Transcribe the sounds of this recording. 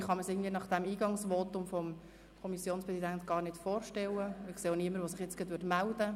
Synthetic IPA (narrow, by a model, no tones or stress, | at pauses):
χɑməsɪɡən̩dviːənɑχd̪̥ɛmiːɡɑŋsʋɔt̪ʊmfɔm | kʰɔmisjoːnspɾʁɛsidænt̪ɡ̥ɑːrnɪtfoːɾʃtɛləɪkseːoniəməɾʋosɪχjɛt͡sɡ̥ətʋʏtmæld̥ə